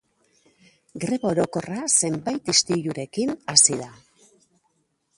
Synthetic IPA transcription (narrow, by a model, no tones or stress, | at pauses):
ɡɾe̞βo̞ɾo̞ko̞rase̞mbajt̪ist̪iʎuɾe̞kinasiða